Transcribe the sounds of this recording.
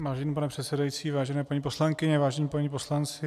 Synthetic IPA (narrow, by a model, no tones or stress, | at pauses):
vaːʒɛniːpanɛpr̥ɛt̪sɛdajit͡siːvaːʒɛnɛːpaɲiːpo̞slaŋkɪɲɛvaːʒɛɲiːpaɲiːpo̞slant͡sɪ